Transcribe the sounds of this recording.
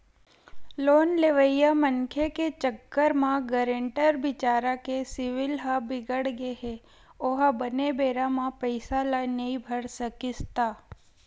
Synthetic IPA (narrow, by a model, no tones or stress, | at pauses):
loːnleʋəjjamənkʰeket͡ʃəkːəɾmãɡəɾẽɳʈəɾbɪt͡ʃaːɾakesɪʋɪlɦabɪɡəɽɡeɦe | oɦabənebeːɾãmãpəɪsalanɐĩbʱəɽsəkɪst̪aː